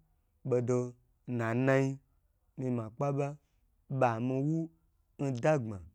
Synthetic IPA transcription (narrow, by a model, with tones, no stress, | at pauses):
ɓo˧do˧ | nã˨na˧i˧ | mi˧mã˨k͡pa˦ɓa˦ | ɓa˨mĩ˧wu˦ | n̩˦da˦ɡ͡bã˨